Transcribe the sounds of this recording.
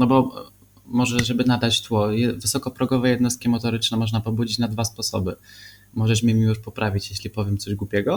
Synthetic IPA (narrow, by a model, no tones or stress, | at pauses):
nɔbɔ | mɔʐɛʐɛbɘnad̪at͡ɕt̪wɔjɛvɘsɔkɔpɾɔɡɔvɛjɛd̪nɔst̪̚kʲimɔt̪ɔɾɘt͡ʂnɛmɔʐnapɔbud͡ʑit͡ɕnad̪vaspɔsɔ̰bɘ | mɔʐɛʂmʲjɛmʲijuʂpɔpɾavʲit͡ɕjeɕlʲipɔvʲjɛmt̪ɔʑɡwupʲjɛɡɔ